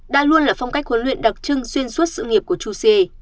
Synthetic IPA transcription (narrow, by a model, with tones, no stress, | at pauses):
ɗa̰ː˧lu˧ənlaː˨˩fa˧wŋ͡mka˦˥k̚hwə˨˦nlwḭ˧˨ənɗa˨˩k̚t͡ɕɨ˧ŋswi˧ənsu˦˥t̚sɨ̰˧˨ŋi˨˩əp̚ku˧˩ət͡ɕu˧se˧